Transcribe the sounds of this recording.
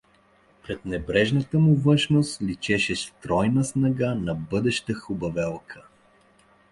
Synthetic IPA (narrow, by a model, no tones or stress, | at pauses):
pɾɛt̪nɛbɾɛʒnət̪əmʊvɤʃnost̪lit͡ʃɛʃɛst̪ɾɔjnəsnɐɡanɐbɤd̪ɛʃt̪əxʊbɐvɛlˠkʰə̥